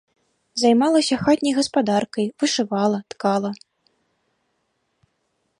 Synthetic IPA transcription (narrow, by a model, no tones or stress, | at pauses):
zajmalˠɐsʲɐxat̪ʲnʲɐjɣɐspad̪arkɐjvɨʂɨvalˠɐt̪kalˠɐ